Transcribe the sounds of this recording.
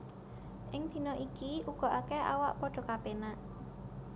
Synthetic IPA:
ʔɪŋd̪̥i̤nɔʔikiuɡ̥ɔ̤ʔakea̰waʔpɔɖ̥ɔ̤kapenaʔ

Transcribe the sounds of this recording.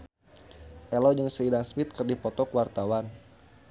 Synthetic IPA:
ʔɛlɔd͡ʒəŋsəidaŋsmɪt̪̚kərdipɔt̪ɔkwart̪awan

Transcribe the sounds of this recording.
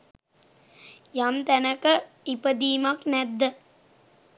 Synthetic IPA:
jamt̪ɛnɐkɐ | ipɐd̪iːmɐknɛd̪ːə

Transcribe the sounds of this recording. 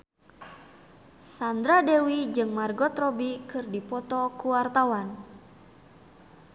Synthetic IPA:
sand̪ɾadewid͡ʒɨŋmarɡɔt̪ɾɔbikɨrdipɔt̪ɔkuwart̪awan

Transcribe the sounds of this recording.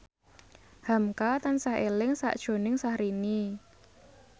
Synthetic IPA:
hamkat̪ansahelɪŋsa̰ʔd̥ʒ̥o̤nɪŋsahɾini

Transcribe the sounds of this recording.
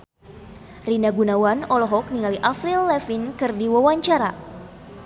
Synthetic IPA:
rinaɡunawanɔlɔɦɔk̚niŋaliʔafɾilːɛfinkɨrdiwawaɲt͡ʃaɾa

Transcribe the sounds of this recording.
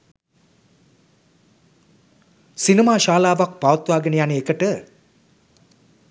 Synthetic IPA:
sinimaːʃaːlaːʋak̚paʋɐt̪ʋaːɡənəjanəekəʈə

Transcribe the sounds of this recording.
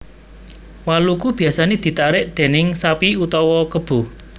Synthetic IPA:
walukub̥i̤asaned̪̥i̤t̪aɾɪʔd̪̥e̤nɪŋsapiut̪ɔwɔkəb̥ʊ̤h

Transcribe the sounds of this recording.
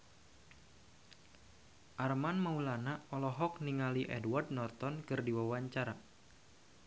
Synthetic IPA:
ʔarmanmaulanaɔlɔɦɔkniŋaliʔɛ̰dward̚nɔrt̪ɔnkɨrdiwawaɲt͡ʃaɾa

